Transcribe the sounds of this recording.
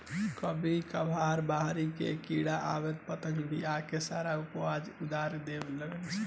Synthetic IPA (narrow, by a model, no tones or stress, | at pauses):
kəbʱikəbʱaɾbaɦɾikḛkiɽaʔa̰bɛt̪̚pət̪ə̃ŋɡbḭakesaɾaupwad͡ʒud̪aɾed̪ebeləɡəlt͡ʃʰɛ